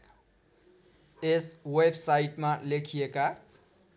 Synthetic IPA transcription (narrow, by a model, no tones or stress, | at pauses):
eswebsaiʈmalekʰijeka